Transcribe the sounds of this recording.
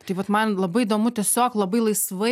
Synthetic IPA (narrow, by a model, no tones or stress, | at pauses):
t̪ɐɪʋɐt̪mɐnlˠɐbɐɪd̪oːmʊt̪ʲɛsʲoːklˠɐbɐɪlˠɐɪsʋɐ